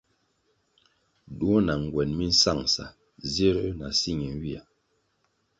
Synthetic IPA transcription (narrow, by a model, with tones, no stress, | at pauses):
du˦ɔ˦na˨ŋ˨ɡwɛ˨nmi˦n̩˦sa˦˨ŋsa̰˨ | ze˦ɾna˨si˦˨ŋi˨n˦wi˦a˨